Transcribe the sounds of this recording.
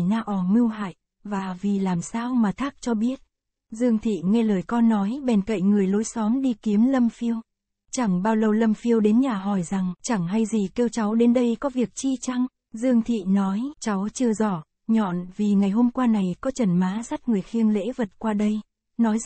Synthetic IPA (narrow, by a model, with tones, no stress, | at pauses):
naː˧ʔɔ˨˩mɨ˧əwɦa̰ː˧˨j | vaː˨˩vi˨˩laː˨˩msaː˧wmaː˨˩t̪ʰaː˦˥k̚t͡ɕɔ˧ɓi˦˥ət̚ | zɨ˧əŋt̪ʰḭ˧˨ŋɛ˧ləː˨˩jkɔ˧nːɔ˨˦jɓɛ˨˩nkə̰˧˨jŋɨ˨˩əjlo˨˦jsɔ˨˦nɗi˧ki˨˦əmlə˧mfi˧əw | t͡ɕa˧˩ŋɓaː˧wlə˨˧˩wlə˧mfi˧əwɗe˨˦nɲaː˨˩ɦɔ˧˩jza˨˩ŋt͡ɕa˧˩ŋɦa˧jzi˨˩ke˧wt͡ɕa˨˦wɗe˨˦nɗə˧jkɔ˨˦vi˨˩ək̚t͡ɕi˧t͡ɕa˧ŋ | zɨ˧əŋt̪ʰḭ˧˨nɔ˨˦jt͡ɕa˨˦wt͡ɕɨ˧əzɔ˧˩ | ɲɔ̰˧˨nvi˨˩ŋa˨˩jɦo˧mkwaː˧na˨˩jkɔ˨˦t͡ɕə˨˧˩nmaː˨˦sa˦˥t̚ŋɨ˨˩əjxi˧əŋlḛ˧˥və˨˩t̚kwaː˧ɗə˧j | nɔ˨˦j